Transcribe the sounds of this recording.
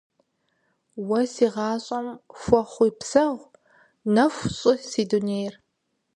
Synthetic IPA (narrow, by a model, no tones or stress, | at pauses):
wɐsiːʁɑːɕʼɐmfʷɔχʷʊjpsɐʁʷ | nɐfʷɕʼʊsiːduneːjr